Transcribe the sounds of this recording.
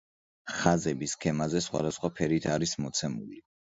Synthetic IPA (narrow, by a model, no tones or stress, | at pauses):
χazɛbiskʰɛmazɛsχwa̰d̪asχwapʰɛɾit̪ʰaɾismɔt̪sʰɛmuli